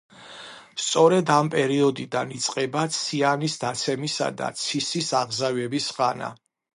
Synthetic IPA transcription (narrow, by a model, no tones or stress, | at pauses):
st̪sʼɔɾɛd̪ampʼɛɾiɔd̪id̪anit̪sʼqʼɛbat̪sʰianisd̪at̪sʰɛmisa̰d̪a̰t̪sʰisisaʁzavɛbisʁana̰